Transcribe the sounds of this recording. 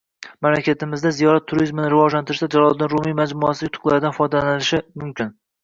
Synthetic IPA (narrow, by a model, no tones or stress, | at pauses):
mamlakʲʰat̪ɪmɪzd̪azijɒɾat̪ʰːʊɾizmɪnɪɾɪvɒd͡ʒlant̪ɪɾɪʃd̪ad͡ʒalˠɒlˠd̪ɪnɾʊmijmad͡ʒmʊasɪjʊt̪ʰʊ̥qlˠaɾɪd̪anfɒjd̪alanɪlɪʃɪmʊmkʲʰɪn